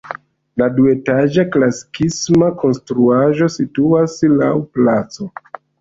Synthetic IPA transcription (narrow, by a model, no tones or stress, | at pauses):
ladue̞taʒaklasi̥kʰismako̞nstɾuaʒo̞situaslawplat͡so̞